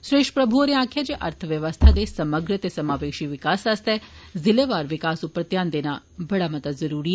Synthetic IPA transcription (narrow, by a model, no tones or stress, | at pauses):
sɾeːʃʈəpɾəbʱuoɾeãːkʰjad͡ʒeːʔɐɾt̪ʰəʋjəʋəst̪ʰad̪esɐməɡɾət̪esɐmaːʋeːʃiʋɪkaːsɐst̪ɛzɪleːʋaːɾʋɪkaːsʊpːɾət̪jaːnd̪eːna | bɐɽamɐt̪əzɐɾuːɾiɛ